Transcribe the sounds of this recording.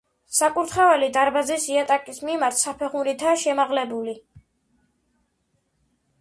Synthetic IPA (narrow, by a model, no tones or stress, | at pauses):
sakʼuɾt̪ʰχavɛlid̪aɾbazisiat̪ʼakʼismimaɾt̪ʰsapʰɛʁmuɾit̪ʰaʃɛmaʁlɛbuli